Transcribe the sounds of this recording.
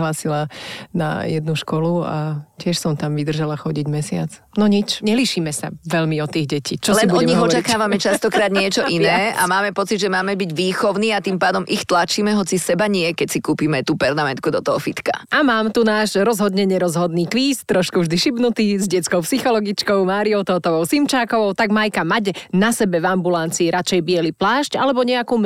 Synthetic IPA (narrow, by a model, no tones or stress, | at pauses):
ɦlaːsilana̰jɛd̪nuʃkɔlua̰cɪɛʃsɔmt̪amʋid̪r̩ʒalaxɔɟiɟmɛsɪa̰t͡s | nɔɲit͡ʃɲɛliʃiːmɛsa̰ʋɛʎmiɔt̪ːiːɣɟɛciːt͡ʃɔlɛnʔuɔɲiɔt͡ʃakaːʋamɛt͡ʃast̪ɔkɾaːd̪ɲɪɛt͡ʃɔʔinɛːʔa̰maːmɛpɔt͡sid̪ʒɛmaːmɛbiɟʋiːxɔʊniːat̪iːmpaːd̪ɔmʔixt̪lat͡ʃiːmɛɦɔt͡sisɛbaɲɪɛkɛcsikuːpiːmɛt̪uːpɛɾmamɛnt̪̚kud̪ɔt̪ɔɦɔfit̪ka̰ʔamaːmt̪unaːʒɾɔzɦɔd̪ɲɛɲɛɾɔzɦɔd̪niːkʋiːst̪ɾɔʃkuvʒd̪iʃibnut̪iːzɟɛt͡skɔʊpsixɔlɔɡit͡ʃkɔʊmaːɾiɔʊt̪ɔt̪ɔʋɔʊsimt͡ʃaːkɔʋɔʊt̪aɡmajkamaɟnasɛbɛvambulant͡siːɾat͡ʃɛjbɪɛliplaːʃcalɛbɔɲɛakuːm